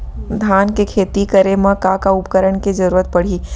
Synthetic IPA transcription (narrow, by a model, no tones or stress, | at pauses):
d̪ʱjaːnkekʰeːt̪ikəɾemɐ̃kakaʊpkəɾəɳ̃ked͡ʒɐɾuːɾət̪̚pɐɽ̤i